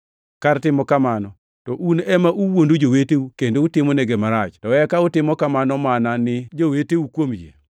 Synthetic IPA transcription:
kartɪmɔkamanɔ | tɔʔunɛmaʔuwondod͡ʒoweteukendoutɪmɔneɡemaɾat͡ʃtɔɛkaʊtɪmɔkamanɔmananɪd͡ʒoweteukwomd͡ʒḛ

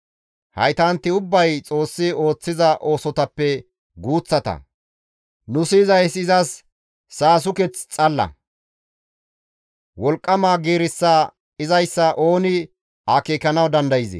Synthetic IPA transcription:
hɐ̰jt̪ɐnt̪ːɪʊbːɐjt͡sʼo̞ːsːɪo̞ːt͡sːɪzɐʔo̞ːsɔt̪ɐpːɛ | ɡuːt͡sːɐt̪ɐ̰ | nʊsɪːzɐjsɪzɐsː | aːs̬ʊkɛt͡st͡sʼɐlːɐ̰ | wɔlkʼːɐmaːɡiːɾɪsːɐ | ɪzɐjsːɐʔo̞ːnɪ | aːkiːkɐnɐwd̪ɐnd̪ɐjɪzḛ

